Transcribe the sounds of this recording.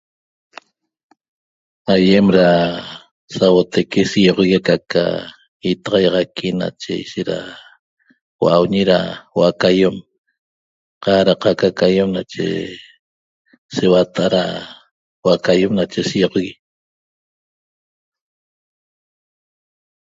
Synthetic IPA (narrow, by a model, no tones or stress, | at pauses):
ajemɾa | sawot̪ʰakesijoʁɣikaka̰ | it̪ɑʁɑjɑʁɑkʰina̰t͡ʃḛiʃeɾa̰ | wa̰ʔawɲiɾa̰waʔakajom | qɑɾaqakakajemnat͡ʃḛ | sewat̪aʔaɾa̰ | wʔakajemnat͡ʃesijoʁɣi